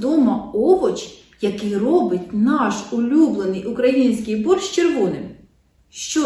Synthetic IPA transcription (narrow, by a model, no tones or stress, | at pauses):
d̪ɔmɐɔɦɔt͡ʃ | jɐkɪjrɔbɪtʲnɑʃʊlʲublˠenɪjʊkɾɐjinʲsʲkɪjbɔrʃt͡ʃerʋɔnɪm | ʃt͡ʃɔ